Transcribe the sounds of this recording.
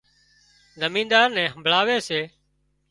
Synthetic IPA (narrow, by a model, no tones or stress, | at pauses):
zəmĩːnd̪aːɾnɛ̃ːɦəmbʱɭaːʋeːseː